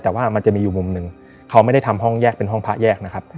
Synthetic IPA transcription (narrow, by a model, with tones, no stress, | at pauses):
t̪ɛː˨˩waː˥˩ma˧nt͡ɕa˨˩miː˧uː˨˩mu˨˧mnɯ˨˩ŋ | kʰa˦˥wma˥˩jda˥˩jt̪ʰa˧mɦɔ˥˩ŋjɛː˥˩k̚pe˧nɦɔ˥˩ŋpʰa˦˥ʔjɛː˥˩k̚na˦˥kʰa˦˥p̚